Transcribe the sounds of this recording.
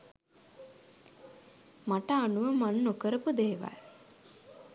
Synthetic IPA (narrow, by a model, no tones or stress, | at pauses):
maʈəanuʋəmanːokəɾəpud̪eːʋa̰l